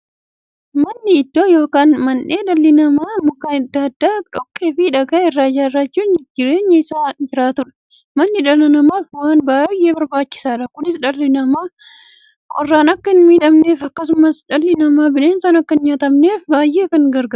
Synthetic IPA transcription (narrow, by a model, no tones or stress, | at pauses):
mɐnːɪɪd̪ːoːjo̞ːkaːnmɐnʔeːᶑɐlːɪnɐmaːmʊkːaːnɐd̪ːaɐd̪ːaːᶑɔkːeːfɪɪᶑɐɡɐːɪrːaːd͡ʒaːɪrːat͡ʃːuːnd͡ʒɪɾe̞ːɲːɐɪsaːd͡ʒɪɾaːt̪ʊᶑɐ̥ | mɐnːɪᶑɐlɪnɐmaːfwaːnbaːjʔe̞ːbɐɾbaːt͡ʃːɪ̥saːᶑɐkʊnɪsᶑɐlːɪnɐmaː | kʼɔrːaːnɐkːɐɪnmiːᶑ̪ɐmneːfɐkːɐsʊmɐsᶑɐlːɪnɐmaːbɪne̞ːnsaːnɐkːɐɪnɲat̪ɐmne̞ːfbaːjːe̞ːkɐŋɡɐɾɡɐ